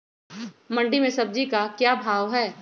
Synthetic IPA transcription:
mɐ̃ɳɖimẽsɐb̚d͡ʒikakjaːbʱaːʋɦɛː

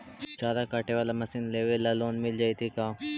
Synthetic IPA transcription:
t͡ʃaːɾakaːʈeʋaːlamɐsɪnleːʋelaloːnmɪld͡ʒaːit̪ʰikãː

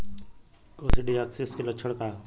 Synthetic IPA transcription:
koːsiɖiaksiskilət͡ʃʰəɽkaː

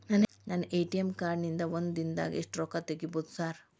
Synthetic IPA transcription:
nan | naneːʈijemkaːɾnind̪ɐʋond̪d̪ind̪a̰ːɡeʂʈɾɔːkat̪eɡiboːd̪usaːɾ

